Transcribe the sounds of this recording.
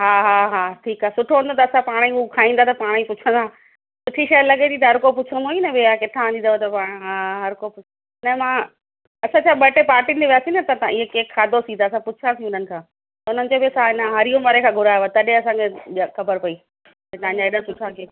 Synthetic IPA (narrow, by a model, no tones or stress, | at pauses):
ɦaːɦaːɦaːʈʰiːkaːɦsʊʈʰoʋə̃nd̪ot̪ɐːsãpaːɽ̃iʊkʰaːĩːnd̪aːt̪ɐpaːɽ̃ipʊt͡ɕʰə̃nd̪aː | sʊʈʰiʃɐjlɐɠet̪ʰĩt̪ɐɦɐɾkop̬ʊt͡ɕʰə̃nd̪oːinɐbeakɪt̪ʰãːnd̪ĩnaʋt̪ɐpaːɽ̃ɦaɦɐɾkopʊ | nɐmãː | ɐsãt͡ɕʰaːɓɐʈepaːɾʈind͡ʑeʋjaːsinɐt̪ɐt̪aɪɦekeːkʰːaːd̪ʱosĩt̪aɐsãpʊt͡ɕʰasĩʊn̤ənɪ̆kʰãː | t̪ɐʊn̤ənɪ̆t͡ɕoːbisaɪnɦɐɾijomɐɾekʰãːɡʱʊɾaːʋat̪ɐɗẽɐsãːkʰexkɐbəɾpɐiː | et̪ɐ̃ãɲd͡ʑaeːɗapʊt͡ɕʰakʰeː